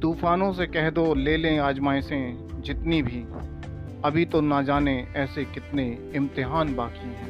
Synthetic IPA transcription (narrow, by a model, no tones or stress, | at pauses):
t̪uːfaːnõsekɛɦd̪oleːlẽaːd͡ʒmaːɪsẽ | d͡ʒɪt̪nibʱi | ɐbʱit̪onad͡ʒaːneɛːsekɪt̪ne | ɪ̃mt̪ɪɦaːnbaːki